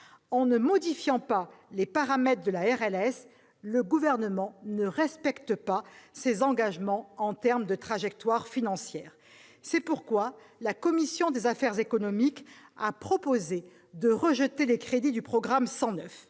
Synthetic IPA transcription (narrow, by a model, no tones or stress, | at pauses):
ɑ̃nəmɔd̪ifjɑ̃palepaʁamɛt̪χd̪əlaɛʁɛlɛs | ləɡuvɛʁnəmɑ̃nəʁɛspɛkt̪əpasezɑ̃ɡaʒmɑ̃ɑ̃t̪ɛʁmd̪ət̪χaʒɛk̚t̪waʁfinɑ̃sjɛːʁ | sɛpuʁkwa | lakɔmisjɔ̃d̪ezafɛʁzekɔnɔmikapχɔpoze | d̪əʁəʒət̪elekχed̪id̪ypχɔɡʁamsɑ̃nœf